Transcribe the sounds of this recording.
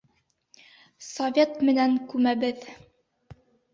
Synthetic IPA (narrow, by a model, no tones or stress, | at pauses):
sovʲet̪mɘ̆næŋkʉmæbɘð